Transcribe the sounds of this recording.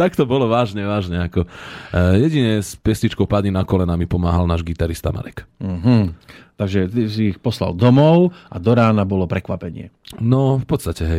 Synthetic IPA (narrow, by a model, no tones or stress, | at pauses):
t̪akt̪ɔbɔlɔʋaːʒɲɛʋaːʒɲɛakɔ | jɛɟiɲɛspɛstit͡ʃkɔʊpad̪ɲinakɔlɛnamipɔmaːɦalnaːʒɡit̪aɾist̪a̰ma̰ɾɛkm̩ɦ̩t̪aɡʒɛt̪isiːxpɔsla̰ld̪ɔmɔʊʔad̪ɔɾaːnabɔlɔpɾɛkʋapɛɲɪɛ̰nɔfpɔt̪st̪acɛɦɛj